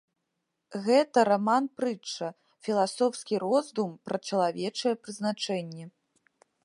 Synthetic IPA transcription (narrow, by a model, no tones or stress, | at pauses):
ɣɛt̪ɐɾamanpɾɨt͡ʂːɐ | fʲilˠasɔwskʲiɾɔzd̪umpɾɐt͡ʂɐlˠavʲɛt͡ʂɐjɛpɾɨznat͡ʂɛnʲːɛ